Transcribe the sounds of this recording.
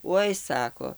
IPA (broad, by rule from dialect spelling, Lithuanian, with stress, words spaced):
ˈoːɪ ˈsɑːkoː